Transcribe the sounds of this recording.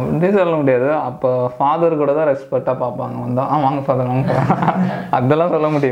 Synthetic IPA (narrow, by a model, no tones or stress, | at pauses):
ɖ̪isɔlːɐmʊɽɪjaːðɯɐpːoːfaːðɐɾkuːɽɐt̪ãːɾɛspɐʈːaːpaːɾpaːŋɡɐʋɐnd̪ãʔãːʋaːŋɡɐfaːðɐɾʋaːŋɡɐfaːðɐɐðɛlːãːsɔlːɐmʊɽɪjʊ